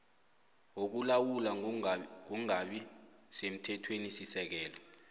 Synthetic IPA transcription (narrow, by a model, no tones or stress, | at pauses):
ok̬ulawulaŋuŋaɓisem̩tʰɛtʰwenisisɛk̬ɛːlɔ